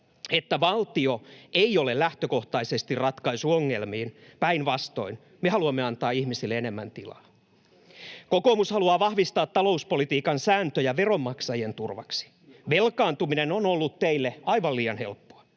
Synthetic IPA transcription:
et̪ːæʋɑlt̪io̞eiolellæht̪øko̞ht̪ɑisest̪irrɑt̪kɑisuoŋːe̞lmiːnpæinʋɑst̪o̞̰in | mehɑluɑmːeɑnt̪ɑːihmisilːeene̞mːænt̪ilɑ̰ː | kokomushɑluɑːʋɑhʋist̪ɑːt̪tːɑlo̞uspo̞lit̪iːkɑnsæːnt̪øjɑʋero̞mːɑksɑjent̪urʋɑ̰ksi̥ | ʋelkɑːnt̪uminenonolːut̪t̪ːeilːeɑiʋɑliːɑnhe̞̰lpːoɑ

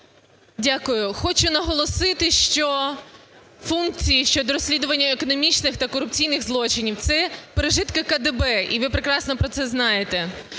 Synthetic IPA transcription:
dʲakʊjʊxɔt͡ʃʊnɐɦɔlˠɔsɪt̪ɪʃt͡ʃɔ | funkt͡sʲijiʃt͡ʃɔd̪ɔɾɔsʲlʲid̪ʊʋɐnʲːɐekɔnɔmʲit͡ʃnɪxt̪ɐkɔɾʊp̚t͡sʲijnɪɣzlˠɔt͡ʃɪnʲiwt̪sɛpeɾeʒɪt̪kɐkɐd̪ebɛiʋɪpɾekɾɑsnɔpɾɔt̪sɛznɑjet̪e

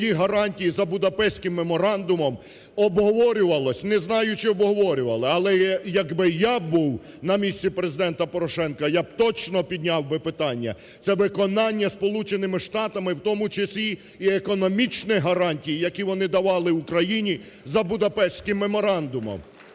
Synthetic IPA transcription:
jiɦɐɾɑnʲtʲijizɐbʊd̪ɐpɛʃsʲkɪmːemɔɾɑnd̪ʊmɔm | ɔbɦɔʋɔɾʲʊʋɐlˠɔsʲnɛznɑjʊt͡ʃɪɔbɦɔʋɔɾʲʊʋɐlˠɪɐlˠɛjɐɡbɪjabuw | nɐmʲisʲtʲt͡sʲipɾezɪd̪ɛnt̪ɐpɔɾɔʃɛnkɐjab̚t̪ɔt͡ʃnɔpʲid̪ʲnʲawbɪpɪt̪ɑnʲːɐ̰ | t̪sɛʋɪkɔnɑnʲːɐspɔlˠut͡ʃenɪmɪʃt̪ɑt̪ɐmɪwt̪ɔmʊt͡ʃɐsʲlʲi | iekɔnɔmʲit͡ʃnɪɦɐɾɑnʲtʲijijɐkʲiʋɔnɪd̪ɐʋɑlˠɪʋʊkɾɐjinʲi | zɐbʊd̪ɐpɛʃʲsʲkɪmːemɔɾɑnd̪ʊmɔ̰m

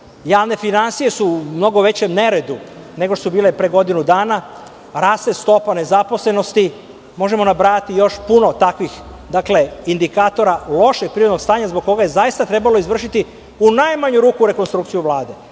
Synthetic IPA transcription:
jaːʋne̞finansije̞suːmno̞ɡo̞ʋe̞t͡ɕemne̞ɾe̞d̪u | ne̞ɡosubiːlepɾeɡo̞d̪inud̪aːna | ɾaːst̪est̪o̞pane̞zapo̞sle̞no̞st̪i | mo̞ʒemo̞nabɾaːat̪ijo̞ʃpuno̞t̪akʋix | d̪akle̞ind̪ikaːt̪o̞ɾalo̞ʃeɡ̚pɾiɾo̞d̪no̞ɡst̪aːɲazbo̞ɡ̚kːo̞ɡaje̞zajist̪at̪ɾe̞balo̞izʋr̩ʃit̪i | unajmaɲuɾuːkuɾe̞konst̪ɾukt̪sijuʋlˠaːd̪e̞

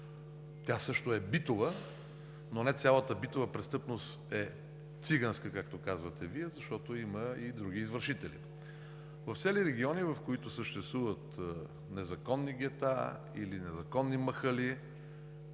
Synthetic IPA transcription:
t̪ʲasɤʃt̪oɛbit̪ovə | nonɛt̪sʲjalˠət̪əbit̪ovəpɾɛst̪ɤpnost̪ɛ | t̪siɡənskəkak̚t̪okazvət̪ɛviɛzɐʃt̪ɔt̪oiməid̪ɾuɡiːzvəɾʃit̪ɛlḭ | vɐft̪sɛliɾɛɡʲiɔnivɐfkoit̪osəʃt̪ɛst̪vuvət̪ | nɛzɐkɔnːiɡʲɛt̪a̰ | ilinɛzɐkɔnːiməxəli

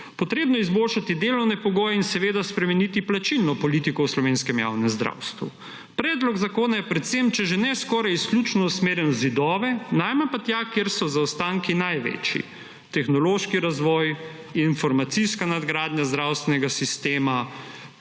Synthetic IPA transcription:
pɔt̪ɾeːbnɔjɛizboːlʃat̪id̪eːlɔwnɛpɔɡɔːjɛinsɛʋeːd̪aspɾɛmɛnit̪iplat͡ʃilnɔpɔlit̪ikɔwslɔʋeːnskɛmja̰wnɛmzd̪ɾa̰wst̪ʋṵ | pɾɛːd̪lɔɡzakoːnajɛpɾɛt̪semt͡ʃɛʒɛnɛskɔɾajisklʲut͡ʃnɔusmeːɾjɛnɔzid̪ɔːʋɛnajmɛnpat̪jakeɾsɔzawst̪aŋkinajʋḛːt͡ʃḭ | t̪ɛxnɔloːʃkiɾazʋɔj | infɔɾmat̪siskanad̪ɡɾaːd̪ɲjazd̪ɾawst̪ʋɛnɛɡasist̪eːma

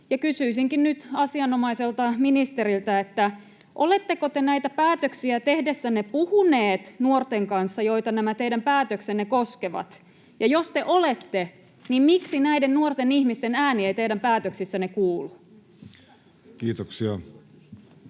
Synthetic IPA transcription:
jɑkysyisiŋkinnyt̪ɑsiɑnomɑiselt̪ɑminist̪eɾilt̪æet̪ːæ | ʔolet̪ːekot̪enæit̪æpæːt̪øksiæt̪ehdesːænepuhuneːt̪nuort̪eŋkɑnsːɑjo̞jt̪ɑnæmæt̪eidæmpæːt̪øksenːekoskeʋɑ̰t̪ | jɑjost̪eʔolet̪ːe | nimmiksinæidennuort̪enihmist̪enæːnieit̪eidæmpæːt̪øksisːænekuːlu | kiːt̪oksiɑ

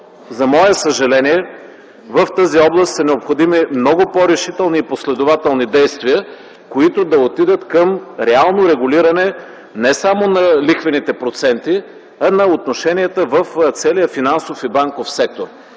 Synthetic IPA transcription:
zɐmɔɛsəʒɐlɛniɛ | vəft̪aziɔblˠəst̪sɐnɛopxod̪imimnɔɡʊpɔɾɛʃit̪ɛlˠniːposlɛd̪ʊvat̪ɛlˠnid̪ɛjst̪viə | koit̪ʊd̪ɐot̪id̪ət̪kəmɾɛalˠnoɾɛɡʊliɾɐnɛ | nɛsamonɐlixvɛnit̪ɛpɾot̪sɛnt̪i | ɐnɐot̪noʃɛniɛt̪əvəft̪sɛlijəfinansofibaŋkofsɛk̚t̪oɾ

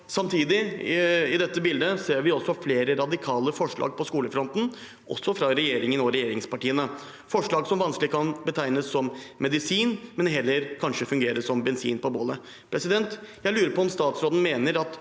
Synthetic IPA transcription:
sɑmt̪ʰiːd̪ɪ | ɪd̪ɛt̪ːəbɪld̪əseːɾʋɪɔsːɔfleːɾəɾɑd̪ɪkʰɑːləfɔʂɭɑ̰ːɡ̚pʰɔskuːləfɾɔnt̪n̩ | ʔɔ̰sːɔfɾɑɾɛjeːɾɪŋənɔɾɛjeːɾɪŋspɑʈiːənə | fɔʂɭɑːɡsɔmʋɑnsklɪkʰɑnbət̪ʰæɪnəsːɔmmɛd̪ɪsiːnmɛnɦɛlːəɾkʰɑnʂəfʉŋɡeːɾəʂɔmbɛnsḭːnpɔboːlə | pʰɾɛsɪd̪ɛnt̪jæɪlʉːɾəɾpɔɔmst̪ɑːt̪sɾoːd̪n̩meːnəɾɑt̪

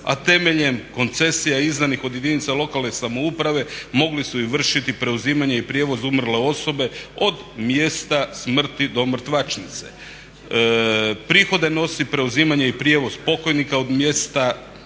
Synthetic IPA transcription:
a̰t̪e̞meʎe̞mko̞nt̪se̞sijaiznanixo̞d̪jed̪init̪salo̞kalˠnesamoupɾaʋe̞mo̞ɡlisuiʋr̩ʃit̪ipɾe̞uziːmaɲe̞ipɾje̞ːʋo̞zumr̩le̞o̞so̞be̞o̞d̪ | mjest̪asmr̩t̪id̪o̞mr̩t̪ʋat͡ʃnit̪se̞ | pɾixo̞d̪e̞no̞sipɾe̞uziːmaɲe̞ipɾje̞ʋo̞zpo̞ko̞jnikao̞d̪mje̞st̪a

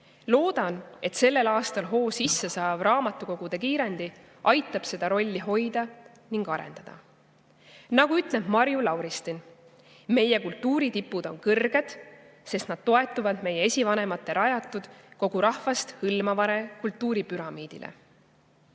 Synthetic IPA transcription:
lo̞ːd̪̥ɑne̞t̪se̞lːe̞lɑːst̪ɑlɦo̞ːsisːesɑːv̥rɑːmɑt̪ːˑuko̞ɡ̥ud̪̥e̞kiːɾe̞nd̪̥i | ʔɑjt̪ːˑɑb̥se̞d̪̥ɑɾo̞lʲːiɦo̞jd̪̥ɑ | niŋɡ̥ɑɾe̞̰nd̪̥ɑd̪̥ɑ̰ | nɑɡ̥uyt̪ˑle̞b̥mɑɾjulɑwɾist̪in | me̞je̞kult̪ːuːɾit̪ipːˑud̪̥o̞ŋkɤrɡ̥e̞d̪̥ | se̞st̪nɑd̪̥t̪o̞e̞t̪ːˑuvɑd̪me̞jee̞sʲivɑne̞mɑt̪ːe̞ɾʔɑjɑt̪ːˑud̪̥ko̞ɡ̥uɾɑhvɑst̪hɯlmɑvɑɾe̞kult̪ːˑuːɾipyɾɑmiːd̪̥ḭlʔḛ

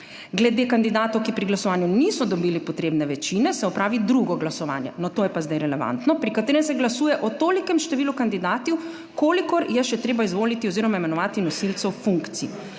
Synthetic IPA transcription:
ɡlɛd̪ekand̪id̪aːt̪ɔwkipɾiɡlasɔʋaːnjunisɔd̪ɔbiːlipɔt̪ɾeːbnɛʋɛt͡ʃiːnɛsɛɔpɾʔaːʋid̪ɾuɡɔɡlasɔʋa̰ːnjɛ̰nɔt̪oːjɛpazd̪ajɾɛlɛʋa̰nt̪nɔpɾikat̪eːɾɛmsɛɡlasuːjɛʔɔt̪oːlikɛmʃt̪ɛʋiːlukand̪id̪aːt̪iw | koːlikɔɾjɛʃɛt̪ɾeːbaizʋoːlit̪iɔziːɾɔmaimɛnɔʋaːt̪inɔsilt̪sɛwfuŋkt̪sii

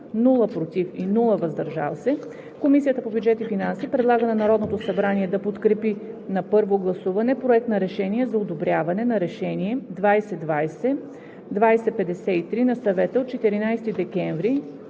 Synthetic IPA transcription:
nulˠəpɾot̪ifinulˠəvɐzd̪ɐɾʒa̰lˠsɛ | komisijət̪əpobjud͡ʒɛt̪ifinansipɾɛd̪lˠaɡənɐnɐɾɔd̪not̪osɐbɾaniɛd̪ɐpot̪kɾɛpinɐpɤɾvoɡlˠɐsuvɐnɛpɾoɛk̚t̪nɐɾɛʃɛniɛzɐod̪obɾʲjavɐnɛnɐɾɛʃɛniɛd̪vajsɛd̪vajsɛ | d̪vajsɛpɛd̪ɛsɛit̪ɾinɐsɐvɛt̪əot̪̚t͡ʃɛt̪iɾinajst̪id̪ɛkʲɛɱvɾi

